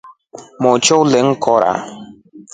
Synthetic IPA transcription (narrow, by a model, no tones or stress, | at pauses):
mɔt͡ʃowleŋ̩kʰɔɾʔa̰